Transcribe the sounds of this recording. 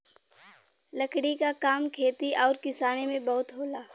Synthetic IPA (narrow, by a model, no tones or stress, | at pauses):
lɐkɽikakaːmkʰeːt̪iʔɔːɾkɪsaːnemẽbɐɦʊt̪ɦoːlaː